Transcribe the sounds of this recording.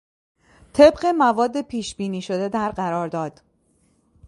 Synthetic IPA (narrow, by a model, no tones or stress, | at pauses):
t̪ʰe̞bɢe̞mævɒːd̪ːe̞pʰiːʃbiːniːʃo̞d̪e̞d̪æɾɢæɾɒːɾd̪ɒːd̪̥